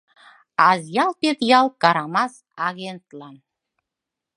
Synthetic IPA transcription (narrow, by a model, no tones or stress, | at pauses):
ɑzjɑlˠpet̪jɑlˠkɑɾɑmɑs | ɑɣent̪lˠɑn